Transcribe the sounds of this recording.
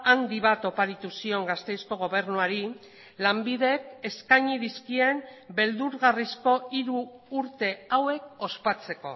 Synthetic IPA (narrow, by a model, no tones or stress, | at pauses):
and̪iβ̞at̪o̞paɾit̪usio̞ŋɡast̪e̞jsko̞ɣ̞o̞β̞e̞ɾnuaɾi | lambiðe̞ke̞skaɲiðiskie̞mbe̞ld̪uɾɣarisko̞iɾuːɾt̪e̞awe̞k̚o̞spat͡se̞ko̞̰